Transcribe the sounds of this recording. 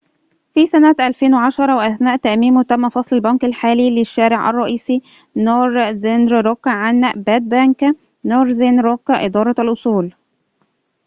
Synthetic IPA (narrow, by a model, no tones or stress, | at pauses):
fisænæt̪ʔælfeːnweʕaʃɑɾˤɑweʔæθnæːʔt̪æʔmiːmwt̪æmːæfɑsˤlælbɑnkælħaːlilɪʃːæːɾeʕʔæ̰rˤːɑʔiːsi | noːɾzenɾɾokːʕanbæd̪̚bæŋkæ | noːɾˤzenɾokːʔɪd̪ɑːɾˤɑælʔosˤuːl